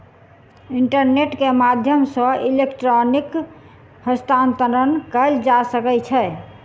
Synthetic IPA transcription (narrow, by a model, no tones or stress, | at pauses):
iɳʈəɾneʈkemad̪ʱjəmsə̃ilekʈɾonik | həst̪ʰant̪əɾənkəld͡ʒasəkɛt͡ʃʰɛ